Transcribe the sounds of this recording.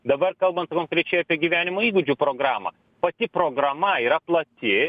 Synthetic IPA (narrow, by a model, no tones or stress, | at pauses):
d̪ɐbɐrkɐlˠbɐnt̪sɐkɐʊnkɾʲɛɪt͡ʃʲeːjoɑːpʲiɛɡʲiʋʲæːnʲɪmoːiːɡʊd͡ʒʲupɾoːɡɾɑːmɐ̰ | pɐt̪ʲɪpɾoːɡɾɐmɐiːɾɐplˠɐt̪ʲɪ